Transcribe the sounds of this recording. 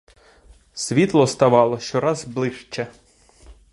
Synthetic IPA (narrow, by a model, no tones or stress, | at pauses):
sʲʋʲit̪lˠɔst̪ɐʋɑlˠɔʃt͡ʃɔɾɑzblˠɪʃt͡ʃɛ